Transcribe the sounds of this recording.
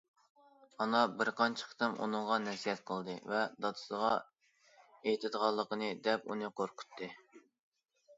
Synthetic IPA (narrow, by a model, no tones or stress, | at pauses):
ɑnɑbɪɾqʰɑnt͡ʃʰə̥qʰt̪ɨmʔṵnɨŋʁɑnɛsijɛt̪̚qʰəlˠd̪ɨvɛd̪ɑt̪ʰɨ̥səʁɑ | ejt̪ʰɪd̪ʁɑlˠːəqənɨd̪ɛpṵnɨqoɾqʰʊ̥t̪ʰːɨ